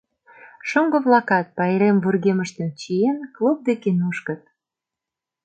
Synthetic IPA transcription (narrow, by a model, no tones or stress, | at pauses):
ʃoŋɡɤ̆βlɑkɑt̪̚pɑjɾemvurɣeməʃt̪ə̆nt͡ɕienklub̚d̪ekenuʃkə̆t̪̚